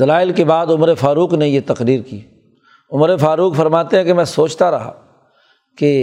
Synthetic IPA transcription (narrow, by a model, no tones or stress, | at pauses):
d̪ɐlaːɪlkebaːd̪ʊmɾefaːɾuːknejet̪ɐqɾiːɾkiː | ʊmɾefaːɾuːkfɐɾmaːt̪eɦɛ̃kemɛ̃soːt͡ʃt̪aɾɐɦa̰ | ke